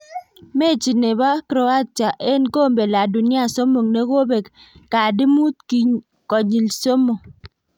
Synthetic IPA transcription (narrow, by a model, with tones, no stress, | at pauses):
me˦˨t͡ʃi˨ne˨ba˦kɾo˨a˦tja˨ʔe˦nko˦˨m̩˦be˨la˨du˨ni˦a˦˨so˦mo˨ŋne˦ko˦be˨kː | a˨di˦mu˦t̚ki˦ɲ | kɔ˨ɲi˨lso˦mo˨ŋ